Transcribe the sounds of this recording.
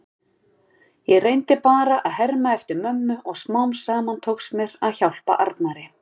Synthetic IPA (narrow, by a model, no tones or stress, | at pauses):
jɛɣrejnt̪ɪpaːɾaʔaðɦɛɾmaɛft̪ɪɾmœmːʏʔɔɣsmawnsaːmant̪ʰowksmjɛɾaðçawl̥pa̰ʔa̰ɾt̪naɾɪ